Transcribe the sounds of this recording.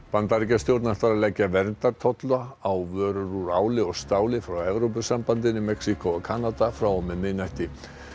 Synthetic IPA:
pant̪aɾicast̪jowɾt̪naht̪aɾalɛcːavɛɾnt̪aɾt̪ʰɔt̪laawvœːɾʏɾuɾaːwlɪɔɣst̪aːwlɪfɾawɛvɾowpʏsampant̪ɪnɪmɛksikɔɔɣkʰanat̪afɾawɔmɛðmɪnajht̪ɪ

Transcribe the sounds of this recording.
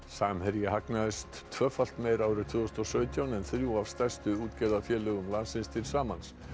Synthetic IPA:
saːmhɛɾjɪɦaknaðɪst̪ʰvœːfal̥t̪meːjɾaːwɾɪt̪ʰvʏɔst̪ɔsœːɥt̪ʰjawnɛnθɾjuav̥st̪ɛr̥st̪ʏuːt̪cɛːjðafjɛːlœɣʏmlansɪnst̪ʰɪlsaːmans

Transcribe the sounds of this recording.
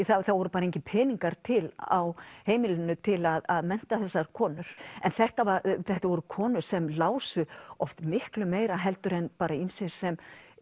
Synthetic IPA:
θaθavɔɾʏpaːɾaeŋcɪpʰɛːniŋkaɾ̥t̪ʰɪla̰wheːjmɪlʏnːʏt̪ʰɪlaðaðmɛn̥t̪aθɛsːaɾkʰɔːnʏɾ̥ɛnθɛht̪avaθɛht̪avɔɾʏkʰɔːnʏɾ̥sɛmlaːwsʏɔft̪mɪhklʏmeːjɾaɦɛlt̪ʏɾɛnpaːɾainsɪ̥sɛm

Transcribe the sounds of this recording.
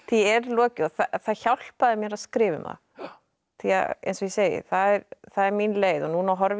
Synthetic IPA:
θiɛɾlɔːcɪɔθaθaðçawl̥paðɪmjɛɾaðskɾɪːvʏ̰mða̰ | θiːa̰ḛjnsɔjɛseːjɪ̰θaðɛɾθaðɛɾminleːjðɔnuːnaɦɔɾv

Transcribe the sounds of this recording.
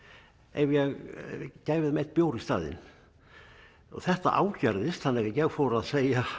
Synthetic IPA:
ɛ̰vjɛɣcaːjvɪðmɛt̪̚pjoːwɾɪst̪a̰ːðɪ̰n | ɔ̰ɣθɛht̪a̰ʔa̰ːwcaɾðɪst̪θanːɛɣajɛɣfɔːɾaðseːja

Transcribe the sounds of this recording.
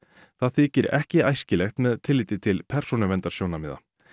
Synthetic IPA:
θaðθiːcɪɾɛ̰hcɪa̰jscɪlɛxt̪mɛðt̪ʰɪlːɪːt̪ɪt̪ʰɪlpʰɛɾ̥sunʏvɛnt̪aɾ̥joːwnamɪːða̰

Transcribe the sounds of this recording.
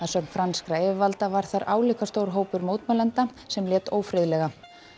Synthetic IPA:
aðsœkn̥fɾanskɾaɛɪvalt̪avaɾ̥θaɾʔaːwliːhkast̪oːwɾ̥ɦoːwpʏɾmoːwt̪malɛnt̪a | sɛmljɛːt̪oːwfɾɪðlɛɣa

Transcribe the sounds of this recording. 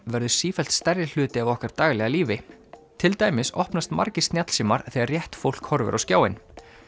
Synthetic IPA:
vɛɾðʏ̥siːfɛl̥t̪st̪ɛɾjɪl̥ʏːt̪ɪavɔhkaɾ̥t̪aːɣlɛɣaliːvɪt̪ʰɪlt̪aːjmɪsɔ̰hpnast̪ma̰ɾcɪst̪njat̪l̥siːmaɾ̥θɛːɣaɾrjɛht̪fowl̥khɔɾvʏ̰ɾʔawskcjaːwɪn

